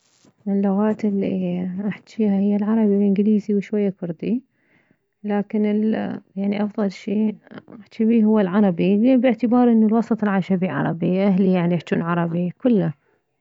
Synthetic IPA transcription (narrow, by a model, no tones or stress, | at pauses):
ʔɪlːʊɣaːt̪ɪlːḭʔaħt̪iːhahɪjːalʕɑɾˤɑbilʔɪnɡliːziwʃwajːakʊɾd̪i | laːkɪnɪljaʕniʔɑfðˤɑlʃiːʔaħt͡ʃibiːɦʊwːalʕɑɾˤɑbileːbɪʕt̪ɪbɑːɾˤʔɪnːalwɑsˤɑt̪ˤɪlʕaʃabiʕɑ̰ɾˤɑbiʔaɦlijaʕniʔaħt͡ʃ̪ṵːnʕɑɾˤɑbikʊlːa